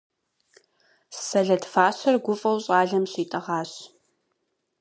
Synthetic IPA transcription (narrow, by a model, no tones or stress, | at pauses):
sɐɮɐdfaːɕɐrɡʷʊfʼɐwɕʼɑːɮɐmɕiːtʼɐʁɑːɕ